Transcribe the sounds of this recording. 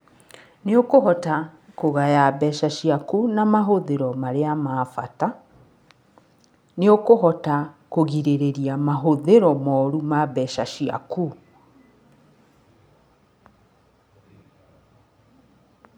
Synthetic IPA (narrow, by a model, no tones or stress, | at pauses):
neokoɦɔtakoɣajabɛʃaɕiakunamaɦoðeɾɔmaɾeamaːfata | neokoɦɔtakoɣiɾeɾeɾiamaɦoðeɾɔmɔɾumabɛʃaʃia̰ku